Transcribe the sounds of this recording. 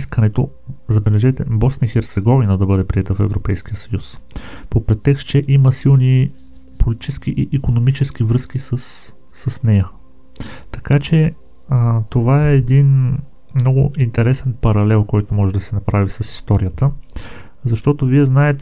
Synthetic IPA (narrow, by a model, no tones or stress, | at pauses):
skənɛt̪o | zɐbɛlɛʒɛt̪ɛbɔsnəixɛɾt̪sɛɡɔvinəd̪ɐbɤd̪ɛpɾiɛt̪əfɛ̰vɾopɛjsk̟ijəsəjuspopɾɛt̪ːɛkst͡ʃɛʔiməsilˠni | polit̪it͡ʃɛsk̟iʔiʔikonomit͡ʃɛsk̟ivɾɤsk̟isəsː | əsnɛjə | t̪ɐkat͡ʃɛ | t̪ovaɛːd̪in | mnɔɡʊint̪ɛɾɛsɛnpɐɾɐlɛlˠkɔjt̪omɔʒɛd̪ɐsɛnɐpɾavisəsi̥st̪ɔɾijət̪ə | zɐʃt̪ɔt̪oviɛznaɛt̪ɛ